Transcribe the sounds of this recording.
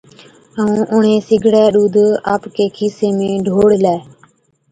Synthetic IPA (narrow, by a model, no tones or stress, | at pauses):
əũːʔʊɳ̤eːsɪɡʱɽɛːɗuːd̪ʱaːpkeːkʰiːseːmẽːɖʱoːɽlaː